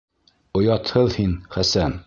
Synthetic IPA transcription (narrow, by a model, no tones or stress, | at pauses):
ŏjɑt̪hɤðhinχæsæn